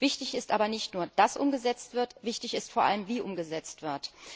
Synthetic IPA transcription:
vɪçtɪçɪstʔaːbɐnɪçtnuːɐd̥asʔʊ̰mɡəzɛt͡stv̥ɪɐtv̥ɪçtɪçɪstfoːɐʔa̰ləmviːʔʊmɡəzɛt͡stv̥ɪɐt

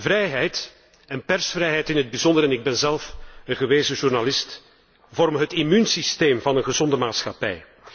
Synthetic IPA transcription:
vrɛjɦɛjt | ɛnpɛrsfrɛjɦɛjtɪnɦəd̚bizɔndəɾɛnɪɡ̚bɛnzɛlˠfəɣəʋeːzəʒurnalɪst | vɔrməɦətimynsisteːmvɑnənɣəzɔndəmaːtsxɑpɛ̰j

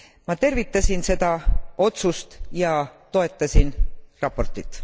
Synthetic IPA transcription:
mɑt̪e̞rvit̪ːˑɑsʲinse̞d̪ɑo̞t̪sust̪jɑt̪o̞e̞t̪ˑːɑsʲinrɑpːo̞rt̪ˑit̪ːˑ

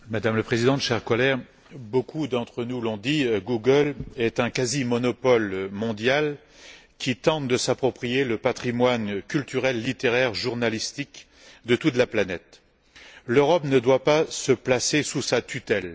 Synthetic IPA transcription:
mad̪amləpχezid̪ɑ̃t̪ʃɛʁkɔlɛʁ | bokʰud̪ɑ̃t̪χənulɔ̃d̪iɡuɡəlɛt̪ɛ̃kazimɔnɔpɔlmɔ̃d̪jal | kʲit̪ɑ̃t̪̚d̪əsapχɔpχijeləpat̪χimwankʲylt̪yʁɛlːit̪eʁɛʁʒuʁnalist̪ik | d̪ət̪ut̪laplanɛt̪ | løʁɔpnəd̪wapasəplasesusat̪yt̪ɛl

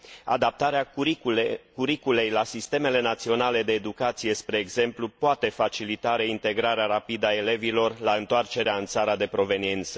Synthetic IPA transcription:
a̰d̪ap̚t̪aɾea | kuɾikule̞jlasist̪e̞me̞le̞nat̪sio̞nale̞d̪e̞ːd̪ukat̪sije̞spɾe̞ːɡze̞mplupoat̪e̞fat͡ʃilit̪aɾeint̪e̞ɡɾaɾeaɾapid̪ae̞le̞vilo̞rlaɨnt̪oart͡ʃe̞ɾeaɨnt̪saɾad̪e̞pɾo̞ve̞nient̪sə̥

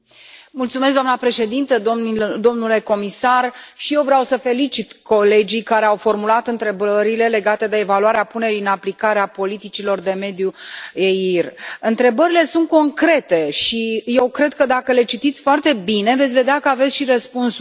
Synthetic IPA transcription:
mult̪sumes̬d̪oanəpɾe̞ʃe̞d̪int̪əd̪o̞mnule̞ko̞misarʃije̞wvɾeawsəfe̞lit͡ʃit̪ko̞le̞d͡ʒikaɾe̞awfo̞rmulat̪ɨnt̪ɾe̞bəəɾile̞le̞ɡat̪e̞d̪e̞ːvaluaɾeapune̞ɾijɨnaplikaɾeapo̞lit̪it͡ʃilo̞rd̪e̞me̞d̪juejirɨnt̪ɾe̞bəɾile̞sunt̪̚ko̞ŋkɾe̞t̪e̞ʃije̞wkɾe̞d̪̚kəd̪akəle̞t͡ʃit̪it̪sʲfoart̪e̞bine̞vet̪sʲve̞d̪eakəavetsʃiɾəspuns

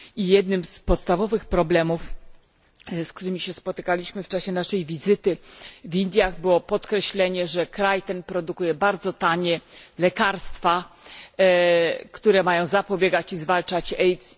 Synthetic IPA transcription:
ijɛd̪nɘmspɔt̪st̪avɔvɘxpɾɔblɛmuf | sk̚t̪uɾɘmʲiɕɛspɔt̪ɘkalʲiɕmɘft͡ʂaɕɛnaʂɛjvʲizɘt̪ɘvind̪ʲjaɣbɘwɔpɔt̪kɾɛɕlɛɲɛʐɛkɾajt̪ɛnpɾɔd̪ukujɛbaɾd̪zɔt̪aɲɛlɛkaɾst̪fa | kt̪uɾɛmajɔ̃w̃zapɔbʲjeɡat͡ɕizvalt͡ʂat͡ɕɛjt̪s

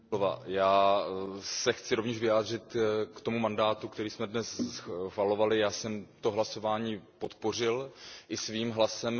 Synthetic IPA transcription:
ova̰jaː | sɛxt͡sɪɾo̞vɲɛʃʒvɪjaːd̪rɪt̪kt̪omumandaːt̪ukt̪ɛɾiːsmɛdnɛsxvalo̞valɪjaːsɛmt̪o̞ɦlaso̞vaːɲiːpo̞t̪po̞r̝ɪlʔɪsviːmɦlasɛm

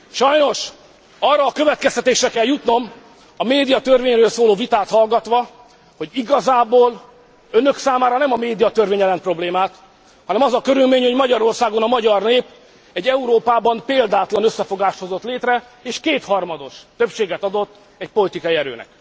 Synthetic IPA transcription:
ʃɒjno̞ʃ | ɒrːɒːkø̞vɛt̪̚kɛst̪ɛt̪eːʃrɛkɛljut̪no̞m | ɒmeːd̪ijɒt̪ørveːɲrøːlsoːloːvit̪aːt̪hɒlɡɒt̪ʋɒ | hoɟiɡɒzaːboːl | ønø̞ksaːmaːɾɒnɛmɒmeːd̪ijɒt̪ørveːɲɛlɛnpro̞bleːmaːt̪ | hɒnɛmɒzɒkø̞ɾylmeːɲho̞ɟmɒɟɒɾo̞rsaːɡo̞nɒmɒɟɒrneːp | ɛɟːɛuɾoːpaːbɒmpeːld̪aːt̪lɒnøsːɛfo̞ɡaːʃt̪ho̞zo̞t̪leːt̪rɛ | eːʃkeːt̪hɒrmɒd̪o̞ʃt̪ø̞pʃeːɡɛt̪ɒd̪o̞t̪ː | ɛc̚po̞lit̪ikɒjiɛɾø̰ːnɛ̰k̚

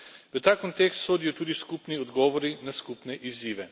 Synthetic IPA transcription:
ʋət̪aːkɔnt̪ekst̪soːd̪ijɔt̪uːd̪iskupniɔd̪ɡɔːʋɔɾinaskupnɛʔiziːʋɛ

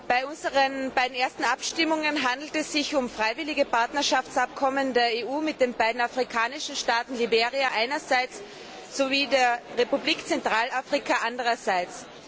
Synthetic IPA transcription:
b̥aɪʊnzəʁənb̥aɪdn̩eːɐstn̩ʔapʃtɪmʊŋənɦandl̩tɛsz̥ɪçʊmfʁ̥aɪvɪlɪɡəpaɐtnɐʃaft͡sap̚kʰɔməndeːɐeːuːmɪt̚d̥enbaɪdn̩afʁikʰaːnɪʃn̩ʃtaːtn̩libeːʁiaʔaɪnɐzaɪt͡s | z̥oviːdeːɐʁepubliːkt͡sɛntʁ̥aːlafʁ̥ikʰaʔandəʁɐzaɪt͡s

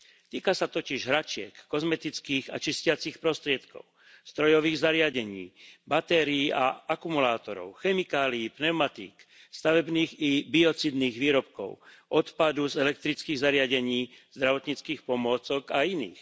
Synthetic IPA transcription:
t̪iːkasat̪ɔciʒɦɾat͡ʃɪɛ̰kːɔzmɛt̪it͡skiːɣa̰t͡ʃiscɪat͡siːxpɾɔst̪ɾɪɛt̪kɔ̰ʊ | st̪ɾɔjɔʋiːɣzaɾɪaɟɛɲḭːbat̪ɛɾiːʔaakumulaːt̪ɔɾɔ̰ʊxɛmikaːliːpnɛʊmat̪ḭːk | st̪aʋɛbniːɣibiɔt͡sid̪niːɣʋiːɾɔpkɔ̰ʊʔɔt̪pad̪uzɛlɛk̚t̪ɾit͡skiːɣzaɾɪaɟɛɲiː | z̥d̪ɾaʋɔt̪ɲit͡skiːxpɔmʊɔt͡sɔkainḭːx

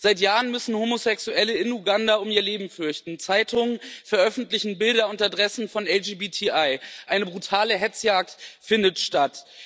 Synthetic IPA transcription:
z̥aɪtjaːʁənmʏsn̩homosɛksuʔɛləɪnuɡandaʊmiːɐleːbm̩fʏɐçtn̩t͡saɪtʰʊŋənfɛɐʔœfn̩tlɪçn̩bɪldɐʊntadʁɛsn̩fɔnɛld͡ʒiːbiːtʰiaɪʔaɪnəbʁutʰaːləɦɛt͡sjaːk̚tfɪndətʃtat

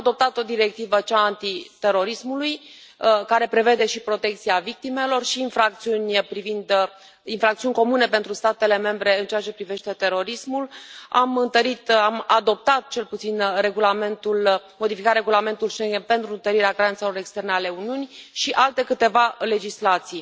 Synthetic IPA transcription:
ad̪o̞p̚t̪at̪o̞d̪iɾe̞k̚t̪ivət͡ʃaːnt̪it̪e̞ɾo̞ɾismulujkaɾe̞pɾe̞ve̞d̪e̞ʃipɾo̞t̪e̞k̚t̪siavik̚t̪ime̞lo̞rʃiːnfɾak̚t̪siunʲpɾivind̪ | infɾakt̪siunʲko̞mune̞pe̞nt̪ɾust̪at̪e̞le̞me̞mbɾe̞ɨnt͡ʃeat͡ʃe̞pɾive̞ʃt̪et̪e̞ɾo̞ɾismula̰mɨnt̪əɾit̪amad̪o̞p̚t̪at̪̚t͡ʃe̞lput̪sinre̞ɡulame̞nt̪ulmo̞d̪ifikatɾe̞ɡulame̞nt̪ulʃeŋɡʲenpe̞nt̪ɾuɨnt̪əɾiɾeaɡɾaɾant̪se̞lo̞ɾekst̪e̞rneale̞uniunijʃiʔalt̪e̞kɨt̪e̞vale̞d͡ʒislat̪sij

